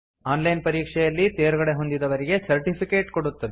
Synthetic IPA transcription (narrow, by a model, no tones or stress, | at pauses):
aːnlɐjnpɐɾiːkʂɛjɐlːit̪eːɾuɡɐɽe̞ɦo̞nd̪id̪ɐʋɐɾiɡe̞sɐɾʈipʰikeːʈkoɽut̪ːɐd̪e